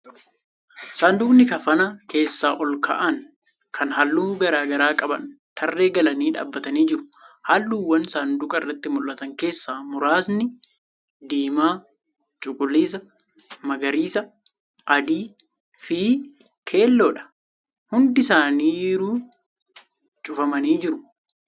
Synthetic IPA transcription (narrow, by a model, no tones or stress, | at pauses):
saːnd̪uːnːɪkɐfɐnake̞ːsːaːʔɔlkɐ̰ʔɐn | kʰɐnɦɐlːuːɡɐɾaːɡɐɾaːkʼɐbɐ̰nt̪ʰɐrːe̞ːɡɐlɐniːᶑa̰ːbːɐt̪ɐniːd͡ʒɪɾʊ̥halːuːwːɐnsaːnd̪ʊkʼɐrːɐt̪ːɪmʊlʔɐt̪ɐŋke̞ːsːaːmʊɾaːsnɪ | d̪iːmaː | t͡ʃʼʊkʼʊlːiːs̬ɐ | mɐɡɐɾiːsɐ | ʔɐd̪iː | fiː | kʰe̞ːlːoːᶑɐ̥ | hʊnd̪ɪsaːniːjɾuː | t͡ʃʼʊfɐmɐniːd͡ʒɪɾʊ̥